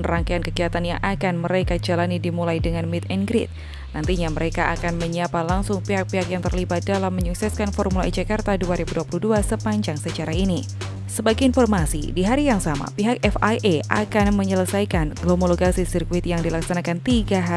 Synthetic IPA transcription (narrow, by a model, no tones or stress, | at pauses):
nraŋkajankəɡiat̪anjaŋʔakanməɾekad͡ʒalanidimulajdəŋanmit̪̚ɛnɡɾit̪̚ | nʔant̪iɲaməɾekaʔakanməɲapalaŋsʊŋpiɦak̚piakjaŋt̪ərlibat̪̚dalamːəɲuksɛskanfɔrmulaʔid͡ʒakart̪aduaɾibuduapuluhduasəpaɲd͡ʒaŋsət͡ʃaɾaini | səbaɡɛinfɔrmasḭdiɦaɾijaŋsama̰piɦak̚ɛfajʔeʔakanməɲələsajkanɡlomoloɡasisirkuɪt̪jaŋdilaksanakant̪iɡaɦa